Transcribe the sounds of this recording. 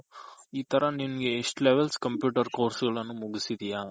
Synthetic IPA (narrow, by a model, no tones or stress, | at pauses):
iːt̪ɐɾɐnimɐɡeːʂʈleʋelskɐmpjuːʈɐɾkoːɾsɡɐɭɐnːumuɡisid̪ijaː